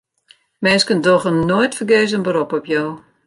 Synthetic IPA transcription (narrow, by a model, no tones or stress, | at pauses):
mɛnskəndɔɣənnojtfərɡeːz̬ənbəɾɔpɔpjoː